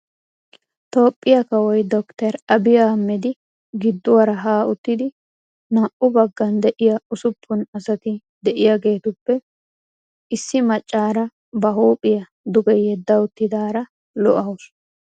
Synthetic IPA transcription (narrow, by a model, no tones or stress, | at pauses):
t̪o̞ːpʼːɪjɐkɐwɔjd̪ɔkt̪ɛɾɐbɪjaːmːɛd̪ɪ | ɡɪd̪ːʊwɐɾɐɦaːʊt̪ːɪd̪ɪ | naʔʊbɐɡːɐnd̪ɛʔɪjɐʊsʊpʰːʊnɐsɐt̪ɪ | d̪ɛʔɪjaɡe̞ːt̪ʊpːɛ | ɪsːɪmɐt͡ʃʼːaːɾɐ | bɐɦoːpʼɪjɐ | d̪ʊɡɛjɛd̪ːɐʊt̪ːɪd̪aːɾɐ | lɔʔɐwʊs